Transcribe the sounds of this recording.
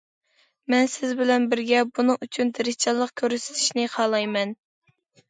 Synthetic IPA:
mɛnsɪzbɪlɛnbɪɾɡʲɛbunɨŋyt͡ʃʰynt̪ʰɪɾɪhʲt͡ʃʰɑlˠːəqkʲʰøɾsɪ̥t̪ʰi̥ʃnɪqʰɑlˠɑjmɛn

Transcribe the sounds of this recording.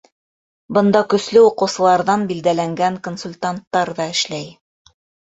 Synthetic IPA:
bɤ̆nd̪ɑkɵ̆slɘuqɤ̆wsɤ̆lˠɑɾðɑnbild̪ælæŋɡæŋkonsulʲt̪ant̪ːɑɾðɑɘ̆ʃlæj

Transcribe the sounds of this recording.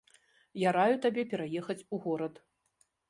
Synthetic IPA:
jaɾajut̪abʲɛpʲɛɾajɛxɐt͡sʲuɣɔɾɐt̪

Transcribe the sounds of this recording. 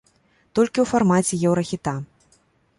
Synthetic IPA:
t̪ɔlʲkʲiwfarmat͡sʲɛjɛwɾɐxʲit̪a

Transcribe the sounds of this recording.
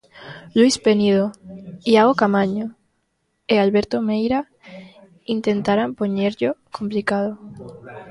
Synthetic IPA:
lwispenið̞oiaɣokamaɲo | ealβeɾt̪omejɾa | int̪ent̪aɾampoɲeɾʎokomplikað̞o

